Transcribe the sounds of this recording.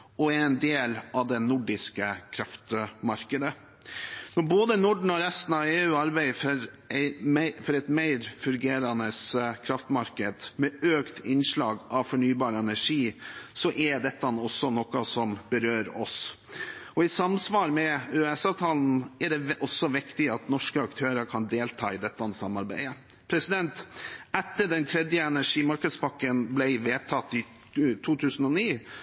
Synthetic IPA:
ɔæɾɛnd̪eːlɑʋd̪ɛnʊɖɪskəkʰɾɑft̪mɑɾkəd̪ə | nɔɾboːd̪ənʊɖɳ̩ɔɾɛst̪n̩ɑʋeːʉːɑɾbæɪfɔɾ | æɪmæɪfɔɾɛɪt̪mæɪɾfʉɾɡeːɾɑnəskʰɾɑft̪mɑɾkəd̪mɛøːkt̪ʰɪnːʂɭɑːɡɑʋfɔɳyːbɑːɾəɛnæʂiːsɔʔɛɖɛt̪ːɑnɔsːɔnɔkɑsɔmbəɾøːɾɔ̰s | ɔɪsɑmsʋɑːɾmɛʉɛsɑʋt̪ʰɑːln̩ɛɖɛʔɔsːɔʋɪkt̪ɪɑt̪nɔʂkəɑkt̪ʰøːɾəkʰɑnd̪eːlt̪ʰɑ̰ːɪd̪ɛt̪ːɑnsɑmːɑɾbæ̰ɪə | pʰɾɛsɪd̪ɛnt̪ɛt̪ːəɖɛnt̪ʰɾɛd̪jəɛnæʂiːmɑɾkəd̪spɑkːənblæɪʋeːt̪ʰɑt̪ːɪ | t̪ʰuːt̪ʰʉːsən̩ɔniː

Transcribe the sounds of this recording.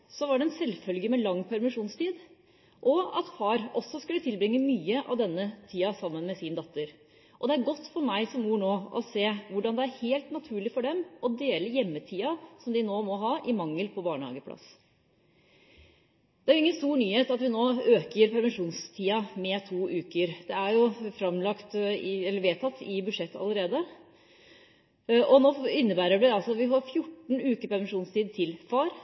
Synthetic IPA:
sɔʋɑɖɛɛnsɛlːfœlɡəmɛlɑŋːpʰæɾmɪʂuːnst̪iːd̪ | ʔɔɑt̪fɑːɾɔsːɔskʉlːət̪ʰɪlbɾɪŋːəmyːəʔɑ̰ʋd̪ɛnːət̪ʰiːɑsɑmːənmɛsiːnd̪ɑt̪ːəɾ | ʔɔd̪ɛæɾɡɔt̪ːfɔɾmæɪsɔmːuːɳoːɔseːʋʊɖɑnd̪ɛæɾheːlt̪nɑt̪ʰʉːɭɪfɔɖɛmɔd̪eːləjɛmːət̪ʰiːɑsɔmd̪ɪnoːmɔɦɑːʔɪmɑŋːəlpʰɔbɑːɳəhɑ̰ːɡəpʰlɑ̰s | d̪̥ɛæɾjʊɪŋːənst̪uːɾɳyːheːt̪ɑt̪ʋɪnoːøːkəɾpʰæɾʋɛnʂuːnst̪ʰiːɑmɛt̪ʰuːʔʉːkəɾd̪̥ɛæɾjʊfɾɑmlɑkt̪ɪɛlːəɾʋeːt̪ʰɑt̪ːɪbʉʂɛt̪ːɑ̰ləɾeːd̪ə | ʔɔnoːɪnːəbæːɾəʋɪd̪ɛɑlsɔɑt̪ʋɪɦɑɾfjʊʈːɳ̩ʉːkəɾpʰæɾʋɛnʂuːnst̪ʰiːd̪̚t̪ʰɪlfɑːɾ

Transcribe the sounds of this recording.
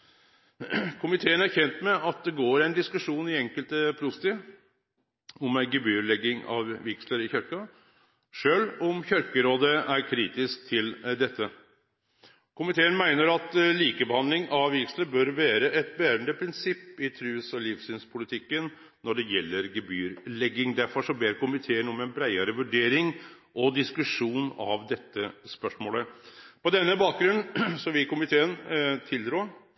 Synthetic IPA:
kʰʊmɪt̪ʰeːənæɾçɛnt̪mɛʔɑt̪̚d̪ɛɡoːɾæɪnd̪ɪskʉʂuːnɪɛŋkəlt̪əpʰɾʊst̪ɪ | ɔmæɪɡɪbyːɾlɛɡɪŋɑ̰ʋʋɪksləɾɪçœɾkɑ | ʂøːlɔmçœɾkəɾoːd̪əæɾkʰɾiːt̪ɪsk̚t̪ʰɪld̪ɛt̪ʰːə | kʰʊmɪt̪ʰeːənmæɪnəɾɑt̪liːkəbəhɑnd̪lɪŋʔɑʋɪksləbœɾʋæːɾəʔɛt̪̚bæːɾənd̪əpʰɾɪnsɪpːɪt̪ʰɾʉːsɔlɪfsɪːnspʰʊlɪt̪ʰɪkːən | nɔɖɛjɛlːəɾɡɛbyːɾlɛɡːɪŋd̪æɾfɔʂɔbeːɾkʊmɪt̪ʰeːənɔmɛnbɾæɪəɾəʋʉɖeːɾɪŋ | ʔɔd̪ɪskʉʂuːnɑ̰ʋd̪ɛt̪ːəspœʂmoːləpɔd̪ɛnːəbɑːk̚ɡɾʉnːsɔʋɪkʊmɪt̪ʰeːənt̪ʰɪld̪ɾuːɾ

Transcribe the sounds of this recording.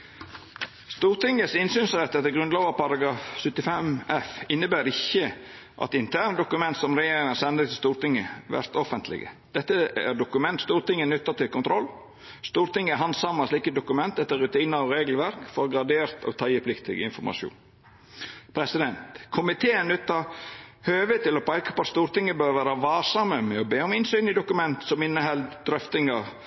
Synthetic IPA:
st̪uːɾt̪ɪŋːəsɪnsyːnsɾɛt̪ːɛt̪ːəɾɡɾʉnloːʋəpɑɾɑɡɾɑːfsʏt̪ːɪfɛmɛfɪnːəbæːɾɪçːə | ʔɑ̰t̪ɪnt̪ʰæːɾnəd̪ʊkʉmɛnt̪sɔmɾɛjeːɾɪŋɑsɛnd̪ət̪ʰɪlst̪uːɾt̪ɪŋːəʋæ̰ɾt̪ɔfənt̪lɪ̰ɡə̰d̪̥ɛt̪ːəæ̰ɾɖʊkʉmɛnt̪st̪uːɾt̪ɪŋːənʉt̪ːɑt̪ʰɪlkʊnt̪ʰɾɔlː | st̪uːɾt̪ɪŋːəæɾɦhɑnsɑmɑsliːkəd̪ʊkʉmɛnt̪ɛt̪ːəɾːʉt̪ʰiːnəɾɔɾeːɡəlʋæɾkfɔɾɔɡɾɑd̪eːɾt̪ɔ̰t̪ʰɑːjɪpʰlɪkt̪ɪ̰ɡə̰ɪ̰nfɔɾmʔɑ̰ʃṵːn | pʰɾɛsɪd̪ɛnt̪kʰʊmɪt̪ʰeːənʉt̪ːɑhøːʋət̪ːɪlɔpʰɑɪkɑpɔɑt̪st̪uːɾt̪ɪŋːəbøːɾʋæːɾəʋɑːsɑməmɛɔbeːɔmɪnsyːnɪd̪ʊkʉmɛnt̪sɔmɪnːəɦɛld̪d̪ɾœft̪ɪŋə

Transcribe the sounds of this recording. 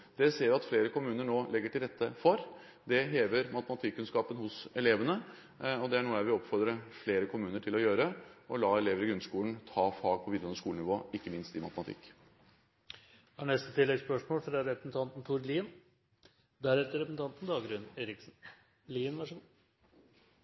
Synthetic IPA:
d̪ɛseːɾʋɪɑt̪fleːɾəkʊmʉːnəɳoːlɛɡːəʈɪlɾɛt̪ʰːəfɔɾ | d̪ɛɦeːʋəɾmɑt̪əmɑt̪ʰɪkːʉnskɑːpənhʊsɛleːʋənə | ɔd̪ɛæɳuːəæɾʋɪɔpfɔɾd̪ɾəfleːɾəkʰʊmʉːnəʈʰɪlɔjøːɾəʔɔlɑːɛleːʋəɾɪɡɾʉnskuːlən̩t̪ʰɑːfɑːɡ̚pʰɔʋiːd̪ɾɔnəʂkuːlnɪʋoːɪkːəmɪnst̪ɪmɑt̪əmɑt̪ʰɪ̰kː | æɳɛst̪ət̪ʰɪlːɛɡspœʂmoːlfɾɑɾɛpɾsn̩t̪ʰɑnt̪n̩t̪ʰuːɾliːn | d̪æɾɛt̪ːəɾɛpɾsn̩t̪ɑnt̪nd̪ɑːɡɾʉneːɾɪksn̩ | liːnʋɑʂ

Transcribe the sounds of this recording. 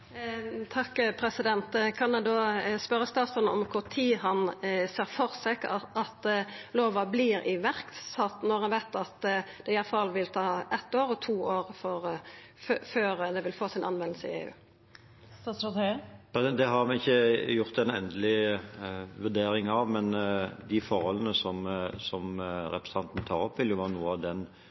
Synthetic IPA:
t̪ʰɑkːpʰɾɛsɪd̪ɛnt̪kʰɑnd̪ɛd̪oːspœɾəst̪ɑːt̪sɔnɔ̰mkʰʊɾt̪ʰiːhɑnseːɾfɔʁsɛkɑt̪loːʋɑbliːɾɪʋæɾk̪sɔt̪nɔɾhɑnʋæɪt̪ɑt̪d̪ɛɪjɑfɑlːʋɪlt̪ʰɑːɛt̪ːoːɾɔt̪ʰuːoːʁfɔʁ | føːɾd̪ɛʋɪlfoːsɪnɑ̰nʋɛnlsəɪ̰ḛːʉ̰ː | ɑst̪pɛd̪ɛɦɑɾmɛɪçːəjʊʁt̪ɛnɛnd̪əlɪ | ʋʉd̪eːɾɪŋɑʋmɛnd̪ɪfɔɾhɔlːənəsɔmsɔmɾɛpɾsɑnt̪n̩t̪ʰɑːʁɔpːʋɪljʊʋɑnuːəɑʋd̪ɛn

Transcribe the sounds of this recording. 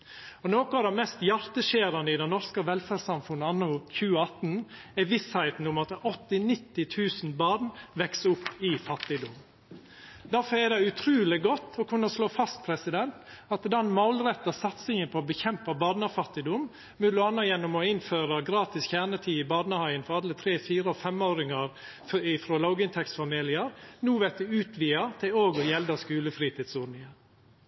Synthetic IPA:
ɔnoːkɔɑd̪ɛmɛst̪jɑɾt̪əʃeːɾɑnəɪd̪ɛnɔɾskəʋɛlfæsɑmfʉnːəɑnːʊçʉːəɑt̪nɛʋɪshæɪt̪n̩ʊmɑt̪ɔt̪ːɪnɪt̪ːɪt̪ʰʉːsnbɑːd̪nʋɛksʊpːɪfɑt̪ːɪd̪ʊm | d̪æɾfɔɾɛd̪ɛʉt̪ʰɾʉːlɪɡɔt̪ːɔkʰʉnːəsloːfɑst̪̚pʰɾɛsɪd̪ɛnt̪ɑt̪d̪ɑnmɑʊlɾɛt̪ːɑsɑt̪sɪŋənpʰooːbəçɛmpəbɑːd̪nəfɑt̪ːɪd̪ʊm | mʉlʊɑnːəjɛnːʊmɔːɪnføːɾəɡɾɑːt̪ɪsçæːɳət̪ʰiːɪbɑːd̪nəhɑɪənfɔɾɑd̪ət̪ʰɾeːfiːɾəɔfɛmoːɾɪŋɑɾ | ɪfɾoːlɑʊɡɪnt̪ʰɛksfɑmeːlɪəɾnuːʋɛk̚d̪ʉʉːt̪ʰʋiːɑt̪ʰɪloːɡɔjɛld̪ɑskʉːləfɾiːt̪iːd̪sʊɾnɪə

